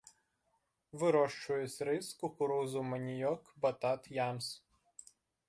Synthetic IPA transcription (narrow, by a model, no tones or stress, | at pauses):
ʋʲɨɾɔʃt͡ʃujɪsʲɾɛɪskʊkʊɾɔːzumɐnʲijɔkbɐt̪at̪jams